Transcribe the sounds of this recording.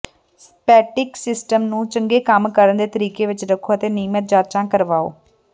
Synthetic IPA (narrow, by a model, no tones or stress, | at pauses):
s | pɛːʈɪksɪsʈəmnũːt͡ʃəŋɡeːkəmkəɾənd̪eːt̪əɾiːkeːʋɪt͡ʃɾəkʰːoːət̪eːniːmət̪̚d͡ʒaːt͡ʃãːkəɾʋaːo̰ː